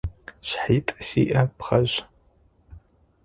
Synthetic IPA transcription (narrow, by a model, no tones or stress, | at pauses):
ʃħiːtʼsḭːʔɐpχɐʑ